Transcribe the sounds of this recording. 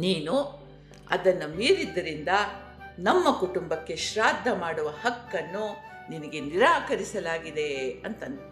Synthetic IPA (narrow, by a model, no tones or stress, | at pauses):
niːnu | ɐ̰d̪ɐnːumiːɾid̪ːɐɾind̪ɐ | nɐmːɐkuʈumbɐkːe̞ʃɾaːd̪ʱːɐmaːɽuʋɐhɐkːɐnːu | ninɐɡe̞niɾaːkɐɾisɐlaːɡid̪e̞ɐnt̪ɐn